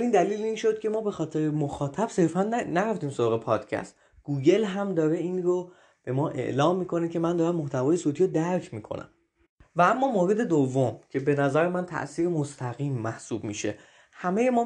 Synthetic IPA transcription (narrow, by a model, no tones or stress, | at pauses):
iːnd̪æliːliːnʃo̞d̪̥̚cʰe̞mɒːbe̞xɒːt̪ʰe̞ɾemoxɒːt̪ʰæb̥se̞ɾfænnæɾæft̪iːmsoɾɒːɣe̞pʰɒːd̪̥cʰæ̰st̪ | ɡ̥uːɟe̞lɦæmd̪ɒːɾe̞iːnɾo | b̥e̞mɒːʔe̞̰ʔlɒːmːiːkʰo̞ne̞cʰe̞mænd̪ɒːɾæmːoht̪ʰævɒːje̞soːt̪ʰiːɾod̪æɾcʰmiːkʰo̞̰næ̰m | vææmːɒːmoːɾe̞d̪e̞d̪ovːomcʰe̞be̞næzæɾemænt̪ʰæ̰ʔsiːɾemost̪ʰæɣiːmːæhsuːbmḭʃe̞̰ | hæmeje̞mɒː